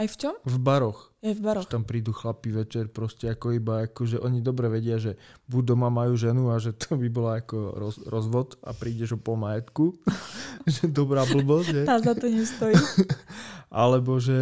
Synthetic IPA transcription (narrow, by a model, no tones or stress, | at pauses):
ajft͡ʃɔmvbaɾɔxɛvbaɾɔɛt̪ampɾiːd̪uxlapiʋɛt͡ʃɛɾpɾɔscɛakɔibaakɔʒɛʔɔɲid̪ɔbɾɛʋɛɟɪaʒɛbuɟd̪ɔmamajuːʒɛnuaʒɛt̪ɔbibɔlaakɔɾɔɾɔzʋɔt̪a̰pɾiːɟɛʒɔpɔlmajɛt̪ku | ʒɛd̪ɔbɾaːbl̩bɔsɟt̪azat̪ɔɲɛst̪ɔji | ʔalɛbɔʒɛ